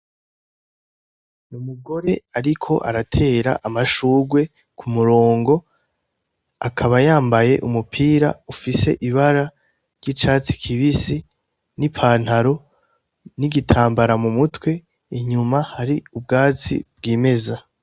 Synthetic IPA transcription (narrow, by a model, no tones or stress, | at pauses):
numuɡo̞ɾe̞aɾikʰo̞ʔa̰ɾatʰe̞ːɾa̰ʔamaʃuːɡwe̞ | kʰumuɾoːŋɡo̞ | akʰaβajaːmbaje̞ʔumupʰiːɾaufise̞̰ʔiβaɾa | ɾɟit͡ʃaːt͡si̥kʰiβisi | nipʰaːn̥haɾo̞ | niɡitʰaːmbaɾamumutwe̞ | iɲumahaɾiub̚ɡaːt͡sḭb̚ɡiːme̞za